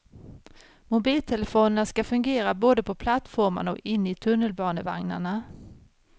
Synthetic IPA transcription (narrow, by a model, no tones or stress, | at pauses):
mʊbiːlt̪ʰɛlɛfoːnənaskafɵŋɡeːɾaboːd̪əpʰɔpʰlat̪fɔɾma̰ɳɔ̰kɪnːɪt̪ʰɵnːəlbɑːnəva̰ŋna̰ɳa